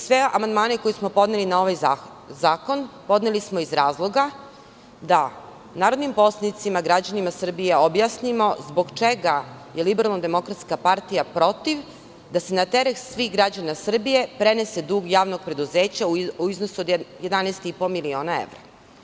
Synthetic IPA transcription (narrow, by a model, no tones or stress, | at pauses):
sʋea̰mand̪maːneko̞jismo̞po̞d̪nelinao̞ʋaj | zaːko̞npo̞d̪nelismo̞izɾaːzlˠo̞ɡa | d̪a | naːɾo̞d̪nimpo̞slˠanit̪simaɡɾad͡ʑanimasr̩bijeobjasnimo̞zbo̞ɡt͡ʃeɡaje̞libeɾalˠnd̪e̞mo̞kɾat̪skapaɾt̪ijapɾo̞t̪iʋ | d̪ase̞nat̪eɾek̪sʋixɡɾad͡ʑanasr̩bije̞pɾenesed̪uːɡjaːʋno̞ɡ̚pɾe̞d̪uzeːt͡ɕauiznosuod̪jed̪anɛst̪ipomilio̞ːnaḛʋɾa